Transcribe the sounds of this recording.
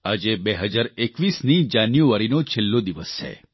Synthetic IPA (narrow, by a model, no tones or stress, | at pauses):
ad͡ʒebeɦəd͡ʒaɾekʋisnid͡ʒanjuaɾinot͡ʃʰelːod̪iʋəst͡ʃʰḛ